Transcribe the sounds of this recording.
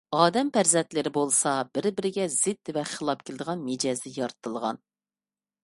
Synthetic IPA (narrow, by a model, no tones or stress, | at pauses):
ɑːd̪ɛmpʰæɾzɛnt̪lɪɾɪbolˠsɑbɪɾbɪɾɪɡʲɛzɪt̪ːvɛχəlˠɑp̚kʲʰɪlɪd̪əʁɑnmed͡ʒɑzd̪ɪjɑɾt̪ʰɨlˠʁɑ̰n